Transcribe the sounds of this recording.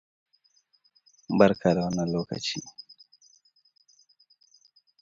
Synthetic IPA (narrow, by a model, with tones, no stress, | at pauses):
mba˦ɾkʰa˨da˨wanːalɔːka̰˨t͡ʃḭ˦